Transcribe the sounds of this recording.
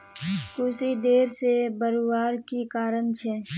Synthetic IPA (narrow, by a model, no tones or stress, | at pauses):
kʊsid̪eːɾsebəɾuwaːɾkikaːɾənt͡ʃʰɛ